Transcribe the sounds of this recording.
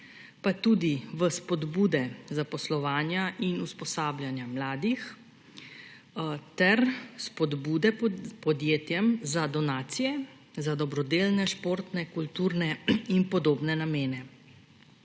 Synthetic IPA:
pat̪uːd̪iʋəspɔd̪buːd̪ɛzapɔslɔʋaːnjaʔinuspɔsaːbljanjamlaːd̪ix | t̪ɛɾspɔd̪buːd̪ɛpɔd̪jeːt̪jɛmzad̪ɔnaːt̪sijɛ | zad̪ɔbɾɔd̪eːlnɛʃpoːɾt̪nɛkult̪uːɾnɛinpɔd̪oːbnɛnameːnɛ

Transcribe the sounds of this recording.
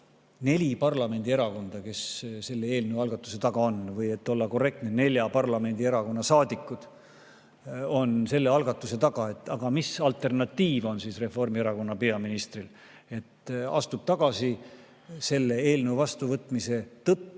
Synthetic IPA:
ne̞lʲipɑrlɑme̞nʲd̪̥ie̞ɾɑko̞nd̪̥ɑke̞sse̞lːe̞e̞ːlnewɑlɡɑt̪ːˑu̥se̞t̪ɑɡ̥ɑo̞nvɤje̞t̪ːo̞lːɑko̞re̞k̚t̪nene̞lʲjɑpɑrlɑme̞nʲd̪̥ieɾɑko̞nːɑsɑːd̪ikːud̪̥ | o̞nse̞lːe̞ɑlɡ̥ɑt̪ːˑuse̞t̪ɑɡ̥ɑe̞t̪ːˑɑɡ̥ɑmisɑlt̪ːˑe̞rnɑt̪ːiːvo̞nsiːsre̞fo̞rmieɾɑko̞nːɑpeɑminist̪ril | e̞t̪ɑ̰st̪ub̥̚t̪ɑɡ̥ɑsi | se̞lːe̞e̞ːlnewvɑst̪uvɤt̪ːˑmise̞t̪ɤt̪ː

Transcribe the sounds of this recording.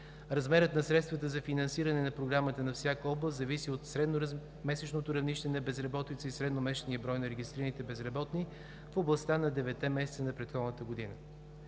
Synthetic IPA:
ɾɐzmɛɾət̪nɐsɾɛt̪st̪vət̪əzɐfinɐnsiɾənɛnɐpɾoɡɾamət̪ənɐfsʲjakəɔblˠəszɐvisiot̪sɾɛ | mɛsɛt͡ʃnot̪oɾɐvniʃt̪ɛnɐbɛzɾɐbɔt̪it̪səisɾɛd̪nomɛʃɛniəbɾɔjnɐɾɛɡʲist̪ɾiɾənit̪ɛbɛzɾɐbɔt̪ni | foblˠɐst̪anɐd̪ɛvɛt̪ːɛmɛsɛt̪sənɐpɾɛt̪xɔd̪nət̪əɡod̪inə

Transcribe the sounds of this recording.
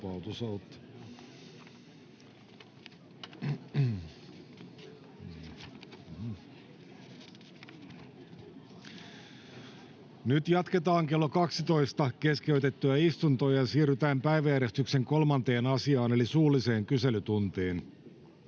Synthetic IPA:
pɑut̪usɑt̪ː | nyt̪jɑt̪ket̪ɑːŋkelːokɑksit̪oist̪ɑkeskeyt̪et̪ːyæist̪unt̪ojɑjɑsiːryt̪æːmpæiʋæjæɾest̪ykseŋkolmɑnt̪eːnɑsiɑːne̞lisuːlːˑise̞ːŋkyselyt̪unt̪eːn

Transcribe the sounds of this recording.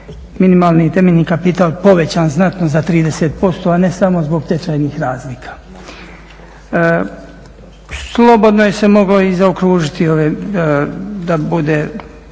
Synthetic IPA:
minimaːlˠnit̪emeʎʲniːkapit̪aːlˠpo̞ʋe̞t͡ɕaːnznat̪nozat̪ɾiːd̪e̞set̪̚po̞st̪o̞ane̞samo̞zbo̞ɡt̪et͡ʃaːjnixɾaːzlikʰḁː | slˠo̞bo̞d̪no̞jese̞mo̞ɡlo̞izaokɾuːʒit̪io̞ʋe | d̪abud̪eː

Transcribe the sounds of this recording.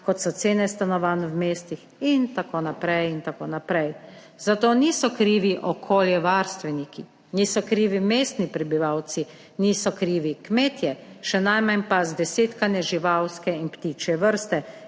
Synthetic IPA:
kɔt̪sɔt̪seːnɛst̪anɔʋaːnɔwmeːst̪ix | int̪akoːnapɾɛjint̪akoːnapɾɛj | zat̪oːnisɔkɾiːʋiʔɔkʰoːljɛʋaːɾst̪ʋɛniki | niːsɔkɾiːʋimeːst̪nipɾɛbiʋawt̪si | niːsɔkɾiːʋikmeːt̪jɛʃɛnajmanpazd̪ɛseːt̪kanɛʒiʋawskɛinpt̪iːt͡ʃjɛʋəɾst̪ɛ

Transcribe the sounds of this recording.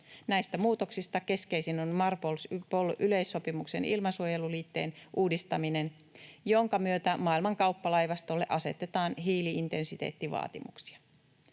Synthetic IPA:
næjst̪æmuːt̪o̞ksist̪ɑke̞ske̞jsinonmɑrpolspolʔyle̞jsːo̞pimukse̞̰nʔilmɑsuoje̞luliːt̪ːe̞ːnʔuːdist̪ɑmine̞n | jo̞ŋkɑmyøt̪æmɑːilmɑŋkɑwpːɑlɑjʋɑst̪o̞lːeʔɑse̞̰t̪e̞t̪ɑːnɦiːliint̪e̞nsit̪e̞̰ːt̪ːiʋɑ̰ːt̪imuksi̥ɑ̥

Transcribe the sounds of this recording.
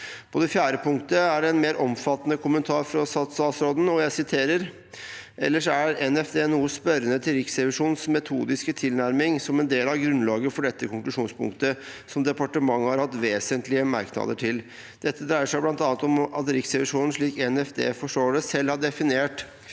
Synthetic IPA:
pʰɔd̪ɛfjæːɾəpʊŋkt̪əæɖɛɛnmeːɾʔɔmfɑt̪ːənəkʰʊmənt̪ʰɑːɾfɾɑsɑt̪sɑːsɾoːd̪n̩ɔjæɪsɪt̪ʰeːɾəɾ | ʔɛlːəʂæɾɛnɛfd̪eːnuːəspœɾənət̪ʰɪlɾɪksɾɛʋɪʂuːnsmɛt̪ʰuːd̪ɪskət̪ʰɪlnæɾmɪŋsɔmɛnd̪eːlɑʋɡɾʉnlɑːɡəfɔɖɛt̪ːəkʰʊŋklʉʂuːnspʰʊ̰ŋkt̪əsɔmd̪ɛpɑʈəmɑŋːəhɑɾhɑt̪ʋeːsənt̪lɪəmæ̰ɾknɑ̰d̪əʈʰɪl | d̪̥ɛt̪ʰːəd̪ɾæɪəʂæɪblɑnt̪ɑnət̪ɔmɑt̪ɾɪksɛʋɪʂuːnn̩ʂɭiːkɛnɛfd̪ḛːfɔʂʈoːɖɛsɛlːhɑɖɛfɪneːʈ

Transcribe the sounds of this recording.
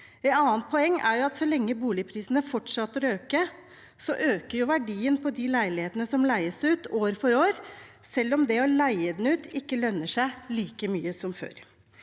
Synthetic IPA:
ɛnɑːənt̪̚pʰɔɛŋːæ̰ɾjʊɑt̪sɔlɛŋːəbuːlɪpʰɾiːsənəfɔʈʂɑt̪ːəɾøːkə | sɔʔøːkəɾjʊʋæɖiːənpʰɔd̪ɪlæɪlɪheːt̪ənəsɔmlæɪəsʉːt̪oːɾfɔɾoːɾsɛlːɔmd̪ɛɔlæɪəd̪nʉːt̪ʰɪkːəlœnːəʂæɪliːkəmyːəsɔmfø̰ːɾ

